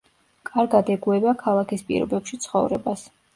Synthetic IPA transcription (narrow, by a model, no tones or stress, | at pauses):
kʼaɾɡad̪ɛɡuɛbakʰalˠakʰispʼḭɾɔ̰bɛpʃit̪sʰχɔ̰vɾɛbas